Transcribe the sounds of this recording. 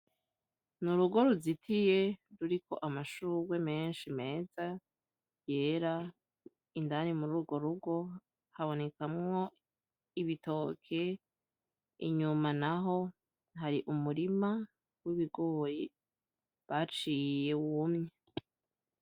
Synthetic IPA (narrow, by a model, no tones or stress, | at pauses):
nuɾuɡo̞ɾuzitʰije̞ɾuɾiko̞̰ʔamaʃuwe̞me̞ːnʃime̞ːza | je̞ːɾa | indanimuɾuɡo̞ɾuɡo̞ | haβo̞ne̞kamŋo̞ | iβito̞ːkʰe̞ | ḭɲumanaɦo̞ | ɦaɾiʔumuɾima | wiβiɡo̞ːje | βat͡ʃiːje̞wumɲe